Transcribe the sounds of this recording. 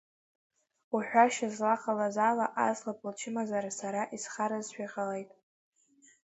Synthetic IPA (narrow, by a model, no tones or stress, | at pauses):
uħᶣʷaʃazlaqalazalaʔazlapʼlt͡ʃʰɪmazaɾasaɾaʔisχaɾazʃʷᶣiqʼalejtʼ